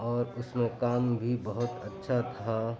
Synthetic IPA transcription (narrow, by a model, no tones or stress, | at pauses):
ɔːɾʊsmẽkaːmbʱibɐɦʊt̪ətːʃʰat̪ʰa